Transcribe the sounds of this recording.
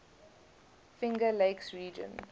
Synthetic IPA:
fɪ̃ŋɡəleɪksɹiːd͡ʒə̰̃n

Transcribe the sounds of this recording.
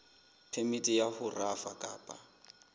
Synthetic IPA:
pʰemitʼijahʊrafakʼaːpʼa

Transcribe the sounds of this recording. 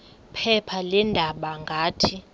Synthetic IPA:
pʰɛpʰalɛndʱaɓaŋɡʱaːtʰi

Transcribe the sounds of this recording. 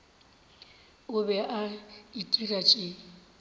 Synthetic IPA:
ʊbɛʔaitʼirat͡ʃʼɪ

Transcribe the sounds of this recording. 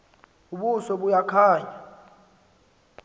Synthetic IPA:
uɓusɔɓujakʰaːɲa

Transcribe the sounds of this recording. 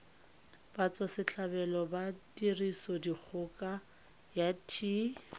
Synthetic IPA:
b̥at͡sʼɔsɪt͡ɬʰabɛlɔbatʼirisɔdik͡xʰʊkʼa | jatʰi

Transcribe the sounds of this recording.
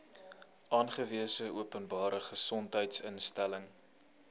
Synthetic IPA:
ʔɑːnχəviəsəʔuəpənbɑːɾəχəsɔntɦəjtsənstæləŋ

